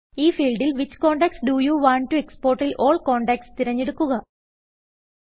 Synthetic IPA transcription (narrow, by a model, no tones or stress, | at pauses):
iːfiːlɖilʋit͡ɕːkoːɳɖeksɖujuːʋaːɳʈːue̞kspo̞ːrʈilʔoːɭkoːɳɖeːkst̪iɾɐɲːeɽukːuɣɐ